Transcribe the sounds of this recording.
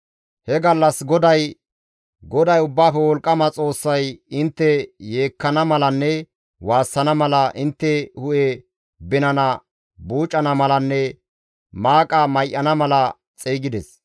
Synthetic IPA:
hɛɡɐlːɐsɡɔd̪ɐj | ɡɔd̪ɐjʊbːaːfɛwɔlkʼːɐmɐt͡sʼo̞ːsːɐjɪnt̪ːɛjeːkːɐnɐmɐlɐnːɛ | waːsːɐnɐmɐlɐʔɪnt̪ːɛhʊʔɛ | bɪnɐnɐ | buːt͡ʃʼːɐnɐmɐlɐnːɛ | maːkʼɐmɐjʔːɐnɐmɐlɐ | t͡sʼeːɡɪd̪ɛs

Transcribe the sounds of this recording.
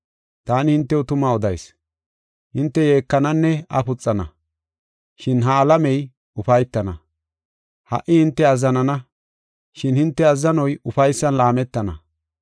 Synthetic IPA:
t̪aːnɪhɪnt̪ːɛʊt̪ʊmaɔd̪ɐjs | hɪnt̪ːɛje̞ːkːɐnɐnːɛɐ̰pʊt͡sʼːɐnɐ̰ | ʃɪnɦɐːlɐmɛj | ʊfɐjt̪ːɐnɐ | hɐ̰ʔːɪhɪnt̪ːɛɐzːɐnɐnɐ | ʃɪnhɪnt̪ːɛɐzːɐnɔjʊfɐjsːɐnlaːmɛt̪ːɐnɐ̰

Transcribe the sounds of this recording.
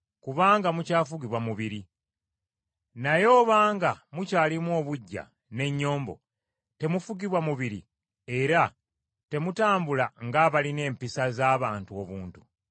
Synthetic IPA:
kuβaːŋɡamucaːfuɡiβwamuβiɾi | najo̞ːβaːŋɡamucaːlimwo̞ːβuɟːa̰ | ne̞ɲːo̞ːmbo̞̰ | te̞mufuɡiβwamuβiɾḭ | e̞ɾa | te̞mutaːmbulaŋɡaːβaline̞ːmpisazaːβaːntuo̞βuːntu

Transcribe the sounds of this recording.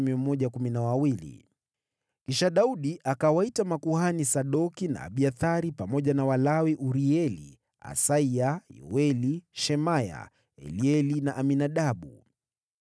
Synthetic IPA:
miɔm̩mːɔʄakuminawawilḭ | kiʃaɗauɗiʔakawaitamakuhanisaɗɔkina̰ːɓiaθaɾipamɔʄanawalawiʔuɾiɛlḭ | a̰saiajɔ̰wɛliʃɛmaja̰ | ɛ̰liɛlinaʔaminaɗaɓu

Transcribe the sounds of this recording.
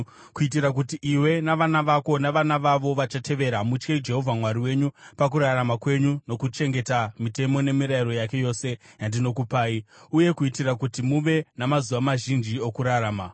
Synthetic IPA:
kuit̬iɾak̬utiʔiwe̞naʋanaʋako̞naʋanaʋaʋo̞ʋat͡ʃatʰe̞ʋe̞ɾamut͡ʃkeid͡ʒe̞ɦo̞vʱamwaɾiwe̞ɲupak̬uɾaɾamakwe̞ɲuno̞kut͡ʃe̞ŋɡe̞tamite̞mo̞ne̞miɾaiɾo̞jake̞jo̞ːse̞jandino̞kupaːiuje̞kuitirakutimuʋe̞namazuʋamaʒind͡ʒiokuɾaɾaːma

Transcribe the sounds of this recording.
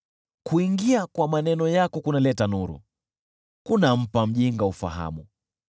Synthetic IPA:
kuiŋɡiakwamanɛnɔjakɔkunalɛtanuɾṵ | kunam̩pam̩ʄiŋɡaufa̰ɦa̰mu

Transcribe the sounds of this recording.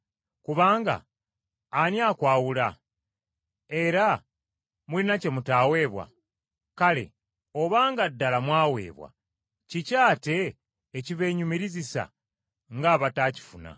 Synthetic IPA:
kuβaːŋɡa̰ː | njaːkwaːwula | e̞ɾa | mulinace̞mutaːwe̞ːβwa̰ | kale̞̰ | o̞βaːŋɡadːalamwaːwe̞̰ːβwa̰ | cicaːte̞ː | ciβe̞ːɲumiɾizisa̰ | ŋɡaːβataːci̥funa̰

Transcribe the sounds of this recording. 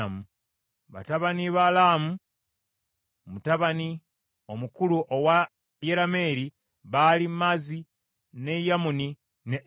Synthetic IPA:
amu | βa̰taβaniβalaːmu | mutaβani | o̞mukuluʔowa | jeɾame̞ːɾi | βalimazi | nejamuni | ne

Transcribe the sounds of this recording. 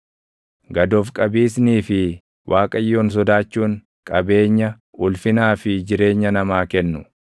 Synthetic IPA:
ɡɐd̪oːfkʼɐbiːs̬niːfɪ | wʔaːkʼɐjːo̞ːns̬ɔd̪aːt͡ʃːuːŋ | kʼɐbe̞ːɲːɐ | ʔʊlfɪnaːfɪd͡ʒɪɾe̞ːɲːɐnɐmaːkɛnːʊ

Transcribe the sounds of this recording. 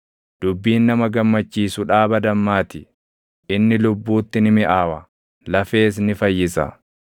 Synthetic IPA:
d̪̥ʊbːiːnːɐmɐɡɐmːɐt͡ʃːiːsʊᶑaːbɐd̪ɐmːaːt̪ɪ | ʔɪnːɪlʊbːuːt̪ːɪnɪmɪʔaːwɐ | lɐfe̞ːs̬nɪfɐjːɪsɐ̰

